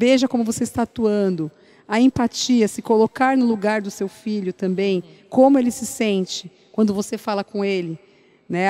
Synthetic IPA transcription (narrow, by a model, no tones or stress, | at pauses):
beʒɐkõmʊvoseist̪aat̪uɐ̃nd̪ʊ | ɐẽpat͡ʃiɐsɪkolokaɾnʊluɡaɾd̪ʊsewfiʎʊt̪ɐ̃mbẽj̃ | kõmʊelɪsɪsẽnt͡ʃɪ | kwɐ̃nd̪ʊvosefalɐkõelɪ | nɛ